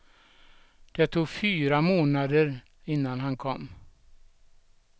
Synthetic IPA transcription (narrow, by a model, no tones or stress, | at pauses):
d̪̥ɛt̪ʰuːɡfyːɾamoːnad̪əɾ | ɪnːanɦankʰɔmː